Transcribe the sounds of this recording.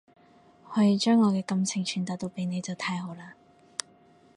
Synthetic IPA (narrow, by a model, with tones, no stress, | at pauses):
hɔː˨˥jiː˨˧t͡ʃœː˥ŋːɔː˨˧kɛː˧kɐ˧mt͡sʰɪ˨˩ŋt͡ʃʰyː˨˩nt̪aː˨˥t̪o˧wpe˨˧jne˨˧jt͡sɐ˨wt̪ʰaː˧jho˨˧wlaː˧